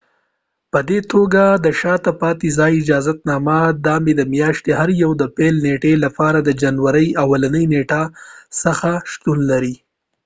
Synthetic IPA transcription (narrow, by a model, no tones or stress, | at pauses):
pəd̪et̪ʰoɡad̪əʃɑt̪apɑt̪izɑjɪd͡ʒɑzat̪̚nɑmad̪ɑmed̪əmjɑʃt̪eɦaɾjawd̪əpelneʈelapɑɾad̪əd͡ʒanwaɾəjawalanəjneʈasəxaʃt̪unlaɾi